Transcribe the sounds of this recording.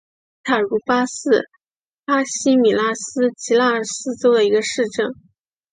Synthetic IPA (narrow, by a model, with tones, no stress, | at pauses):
t̪ʰa˨˩ɻu˧˥pa˥sɹ̩˥˩ | pa˥ɕi˥mi˨˩la˥sɹ̩˥t͡ɕʰi˧˥la˥˩ə˨˩sɹ̩˥t͡swɔ˥ʊd̪ə˨˧i˧˥ɡə˧ʂɻ̩˥˧ʈ͡ʂɤ˥˩ŋ